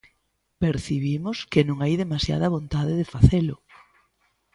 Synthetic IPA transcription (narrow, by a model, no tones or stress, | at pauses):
peɾθiβimʊskɪnõŋajðemasja̰ðɐβ̞ont̪aðɪðefaθelʊ